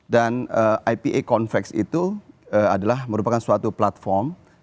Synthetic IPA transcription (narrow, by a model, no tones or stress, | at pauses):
danəʔajpiʔekɔnfɛksḭt̪uəadalahməɾupakansuat̪uplat̪̚fɔrm